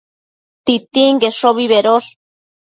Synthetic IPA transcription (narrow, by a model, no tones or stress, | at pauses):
t̪it̪iŋɡeʃoβiβeɾol